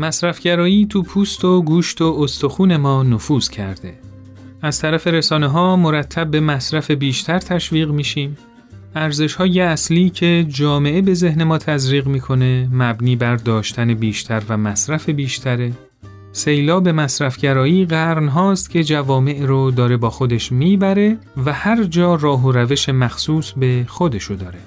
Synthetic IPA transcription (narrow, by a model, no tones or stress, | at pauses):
mæsɾæfɟæɾɒːjiːt̪ʰuːpʰuːst̪oɡuːʃt̪ʰoost̪ʰoxuːne̞mɒːnofuːz̥cʰæ̰ɾd̪e̞̰ | æzt̪ʰæɾæfe̞ɾesɒːneɦɒːmoɾæt̪ʰːæb̚ːe̞mæsɾæfe̞biːʃt̪ʰæɾt̪ʰæʃviːɣmiːʃiːm | æɾze̞ʃhɒːjeæsliːcʰe̞d͡ʒɒːme̞ʔebe̞ze̞hne̞mɒːt̪ʰæzɾiːɣmiːkʰo̞ne̞mæbniːbæɾd̪ɒːʃt̪ʰæne̞biːʃt̪ʰæɾvæmæsɾæfe̞biːʃt̪ʰæɾe̞ | se̞jlɒːbe̞mæsɾæfɟæɾɒːiːɢæɾnɦɒːst̪cʰe̞d͡ʒævɒːme̞ʔɾod̪ɒːɾe̞bɒːxod̪eʃmiːbæɾe̞ | væhæɾd͡ʒɒːrɒːɦoɾæveʃe̞mæxsuːsbe̞xo̞d̪e̞ʃod̪ɒːɾe̞